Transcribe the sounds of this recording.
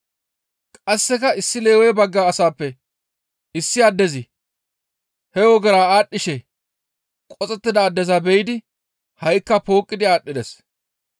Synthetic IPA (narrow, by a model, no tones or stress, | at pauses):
kʼɐsːɛkɐɪsːɪle̞ːwɛjbɐɡːaːsaːpːɛ | ɪsːɪɐd̪ːɛzɪ | hɛwɔɡɛɾaːaːɗːɪʃɛ | kʼɔt͡sʼɛt̪ːɪd̪ɐːd̪ːɛzɐbɛjɪd̪ɪ | hɐjkːɐpo̞ːkʼːɪd̪ɪaːɗːɪd̪ɛs